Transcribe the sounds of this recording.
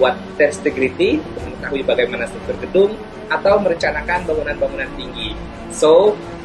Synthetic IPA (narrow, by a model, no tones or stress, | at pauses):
at̪̚ːɛst̪əɡɾit̪iunt̪ʊk̚məŋət̪aɦuibaɡajmanast̪ɾuk̚t̪ʊrɡədʊm | ʔat̪awməɾəɲt͡ʃanakanbaŋunanbaŋunant̪iŋɡi | so